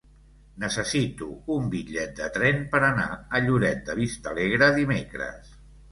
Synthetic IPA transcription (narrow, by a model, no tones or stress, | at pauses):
nəsəsit̪uumbiʎɛt̪̚d̪ət̪ɾɛnpəɾəna̰əʎuɾɛt̪̚d̪əβist̪əleɣɾəðimekɾə̰s